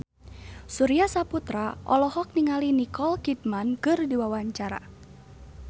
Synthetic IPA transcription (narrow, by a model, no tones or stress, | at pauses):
suɾiasaput̪ɾaʔɔlɔhɔk̚niŋalinikɔlkit̪̚mankɨrdiwawaɲt͡ʃaɾa̰